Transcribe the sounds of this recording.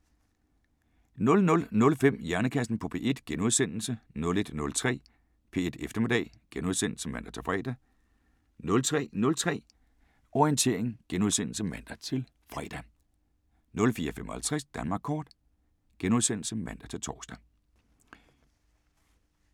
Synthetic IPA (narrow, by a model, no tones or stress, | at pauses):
nɔ̽lnɔ̽lnɔ̽lfem̰jæɐnəkʰæsn̩pʰɒ̽pʰe̝̰ːe̝d̥ɡ̥enuðˠsen̰l̩sənɔ̽le̝d̥nɔ̽lt͡sʰʁɛ̰ː | pʰe̝̰e̝d̥efd̥ɐme̝d̥ɛ̰ː | ɡ̥enuð̞ˠsen̰l̩səmæn̰d̥ɐt͡sʰe̝lfʁɛ̰ːd̥æ | nɔ̽lt͡sʰʁɛ̰ːnɔ̽lt͡sʰʁɛ̰ː | ʔɒiənt͡sʰe̝̰ɐeŋɡ̥enuð̞ˠsen̰l̩səmæn̰d̥ɐt͡sʰe̝l | fʁɛ̰ːd̥æ | nɔ̽lfiːɐfem̰ʔɒ̽hælt͡sʰʁɛsd̥ænmɑ̈ːɡ̥̚kʰɒːd̥ | ɡ̥enuð̞ˠsen̰l̩səmæn̰d̥ɐt͡sʰe̝lt͡sʰɒːsd̥æ